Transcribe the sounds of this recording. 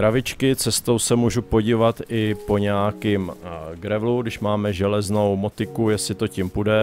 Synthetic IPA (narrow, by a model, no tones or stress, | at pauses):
ɾavɪt͡ʃkɪt͡sɛst̪o̞wsɛmuːʒupo̞ɟiːvat̪ɪpo̞ɲɛakimɡɾɛvluɡdɪʃmaːmɛʒɛlɛzno̞wmot̪ɪkujɛsɪt̪ocimpudɛ